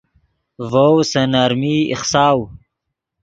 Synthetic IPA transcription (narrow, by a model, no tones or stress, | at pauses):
vowsɐnaɾmiḭχsaːw